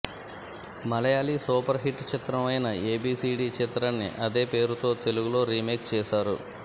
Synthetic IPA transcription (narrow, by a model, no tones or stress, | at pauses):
mɐlɐjaːlisuːpɐɾɦiʈːt͡ʃit̪ɾɐmɐjnɐe̞ːbiːsiːɖiːt͡ʃit̪ɾanːḭʔɐd̪e̞ːpe̞ːɾut̪o̞ːt̪e̞luɡulo̞ːɾiːmeːk̚t͡ʃɛːʃaːɾṵ